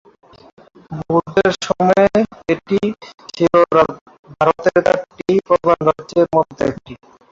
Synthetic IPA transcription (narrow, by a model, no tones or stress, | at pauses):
buɾd̪eɾʃɔmɔeeʈit͡ɕʰiloɾa | bʱaɾot̪eɾkaʈʈipɾob̪ʱanɾadd͡ʑeɾmɔd̪ʱːeḛk̚ʈi